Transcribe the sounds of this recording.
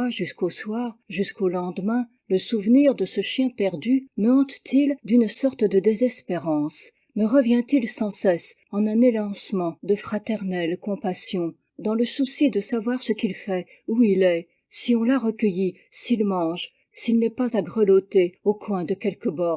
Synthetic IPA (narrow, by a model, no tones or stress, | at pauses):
aʒyskoswaʁʒyskolɑ̃d̪mɛ̃ | ləsuvniʁd̪əsəʃjɛ̃pɛʁd̪yməɑ̃t̪t̪ʰild̪ynsɔʁt̪d̪əd̪ezɛspeʁɑ̃s | məʁəvjɛ̃t̪ilsɑ̃sɛsɑ̃nɛ̃nelɑ̃smɑ̃d̪əfχat̪ɛʁnɛlkɔ̃pasjɔ̃ | d̪ɑ̃ləsusid̪əsavwaʁsəkilfɛ | uilɛ | siɔ̃laʁəkʲəji | silmɑ̃ʒ | silnɛpazaɡʁəlot̪eokwɛ̃d̪əkʲɛlkəbɔʁ